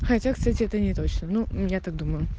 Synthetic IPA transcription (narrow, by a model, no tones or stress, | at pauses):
xɐtʲakst̪atʲɪɛt̪ənʲɪt̪o̞t͡ɕnənujat̪ak̚d̪uməjʊ